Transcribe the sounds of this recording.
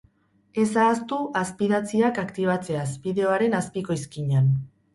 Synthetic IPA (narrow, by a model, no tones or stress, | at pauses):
e̞saːst̪uʔaspiðat͡siakakt̪iβ̞at͡se̞asbiðe̞o̞aɾe̞naspiko̞iskiɲan